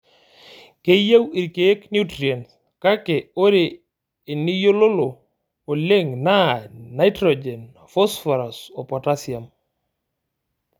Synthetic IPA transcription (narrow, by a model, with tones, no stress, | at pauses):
ke˦ja˦wi˨ɾke˦knju˦tɾi˨a˨ns | ka˦ke˨o˦ɾeː˨ | ni˦jo˦lo˦loː˨ | le˦ŋnaː˦ajtɾɔd͡ʒe˨n | fɔ˦sfɔ˨ɾa˨sɔ˨pɔta˦sja˨m